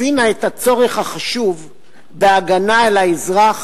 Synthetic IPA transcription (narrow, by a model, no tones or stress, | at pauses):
inaethat͡so̞ʁeχhaχaʃuv | beaɡanaelaizʁaχ